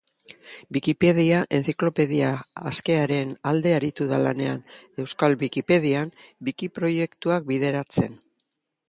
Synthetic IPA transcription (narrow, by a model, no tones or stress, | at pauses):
bikipe̞ð̞iaʔe̞nt͡siklo̞pe̞ðia̰ːske̞aɾe̞nald̪e̞aɾit̪uðala̰ne̞ane̞wskalbikipe̞ð̞iambikipɾo̞je̞kt̪uak̚biðe̞ɾat͡se̞n